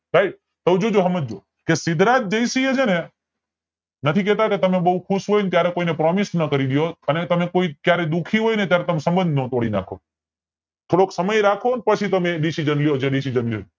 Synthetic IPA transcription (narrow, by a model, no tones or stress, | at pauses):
ɾaiʈ̚ | t̪əwd͡ʒod͡ʒoɦəməd͡ʒo | kesɪd̪ʱɾat̪̚d͡ʒəisied͡ʒene | nət̪ʰikɛt̪aket̪əmebəɦukʰuʃɦojnt̪jaɾekoinepɾɔmisnəkəɾid̪ijoənet̪əmekoikjaɾed̪ukʰiɦojnet̪jaɾet̪əmesə̃mbənd̪ʱnõt̪oɽina̰kʰo | t̪ʰoɽoksəməjɾakʰonpət͡ʃʰit̪əmeɖisid͡ʒənlijod͡ʒeɖisid͡ʒənlijo